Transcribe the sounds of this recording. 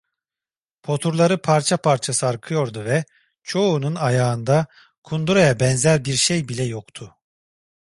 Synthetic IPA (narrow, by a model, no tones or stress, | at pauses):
pʰo̞t̪ʰuɾlˠaɾɯpʰaɾt͡ʃʰapʰaɾt͡ʃʰasɯaɾkʰɯjo̞ɾd̪uvɛ | t͡ʃʰo̞ununajaːɯnd̪a | kʰund̪uɾajabɛnzæɾbiɾʃejbilʲɛjokt̪ʰʊ